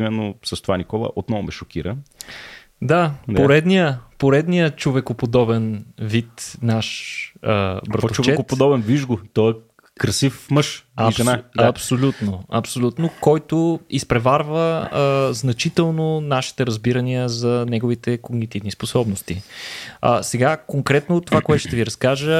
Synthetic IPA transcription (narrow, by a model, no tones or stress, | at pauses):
imɛnːosɐst̪ovanikɔlˠɐ̰ʔot̪nɔvomɛʃokiɾə̰ | d̪apoɾɛd̪nijəpoɾɛd̪nijət͡ʃovɛkopod̪ɔbɛnvit̪naʃəbɾɐt̪t͡ʃovt͡ʃɛkotp̪od̪ɔbɛnviʒɡʊt̪ɔɛ | kɾɐsifmɤʃɐnapsolʲut̪noɐ̰psolʲut̪nokɔjt̪oispɾɛvaɾvəznɐt͡ʃit̪ɛlˠnonaʃi̥t̪ɛɾɐzbiɾɐniəzɐnɛɡʊvit̪ɛkoɡnit̪ivnisposɔbnost̪i | ə̰sɛɡakoŋkɾɛt̪not̪ːovakoɛt̪ʊʃt̪ɛviɾɐskaʒə